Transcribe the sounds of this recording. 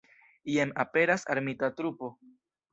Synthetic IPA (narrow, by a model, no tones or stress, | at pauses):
ienape̞ɾasa̰ɾmitatɾupo̞